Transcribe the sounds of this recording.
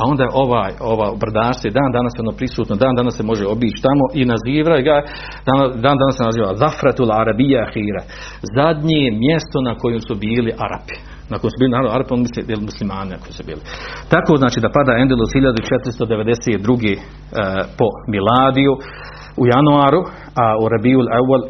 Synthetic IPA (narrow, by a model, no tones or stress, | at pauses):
ao̞nd̪aːʔo̞ʋaːjo̞ʋaːubrd̪aːʃsʋoed̪aːnd̪anasjeo̞noːpɾisuːt̪nod̪aːnd̪anasːe̞mo̞ʒeo̞biːt͡ʃi̥t̪amo̞ʔinaziːʋajɡa | d̪ad̪aːnd̪anassenaziːʋaðafɾat̪ulaɾabijaaxiːɾa | zad̪ɲemjest̪o̞nako̞jemsubiːliʔaɾa̰pi̥ | nako̞jemsubiːlinaɾd̪aɾaponmisejelmuslimaːninakojiːsubḭːlit̪akoːznaːt͡ʃiːd̪apad̪aːend̪elˠozhiʎad̪ut͡ʃet̪ɾist̪od̪e̞ʋe̞d̪eseːt̪̚d̪ɾuɡeː | po̞milˠaːd̪iju | ujanuaːɾu | auɾabiːulawːal